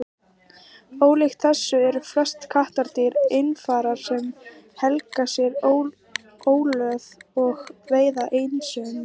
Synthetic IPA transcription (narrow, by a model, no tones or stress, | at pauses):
oːwlejxt̪θɛsːʏɛɾflœ̥st̪kʰaht̪aɾt̪ɪɾejnfaːɾaɾ̥sɛm | hɛlkasjɛɾo | oːwlœːðɔɣreːjðaʔeːjnsʏːn